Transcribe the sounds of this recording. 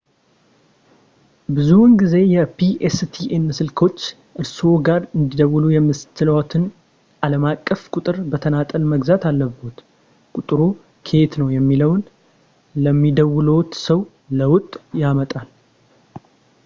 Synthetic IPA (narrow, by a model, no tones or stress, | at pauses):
bɨzunɡize̞jɛpʰiʔest̪ʰiʔenːɨsɨlkʰo̞t͡ʃː | ʔɨɾsoɡaɾɨnd̪id̪əwʊlujɛmɨst̪ʰɨlwat̪ʰɨn | ʔaləmakʼːəfkʼʊt̪ʼɨɾbət̪ʰənat̪ʼəlməɡzat̪alːəbəut̪ | kʼut̪ʼɾu | kʰe̞t̪nəwjɛmːiləwn | ləmːid̪əwlot̪səw | ləwʊt̪ʼːjamət̪ʼal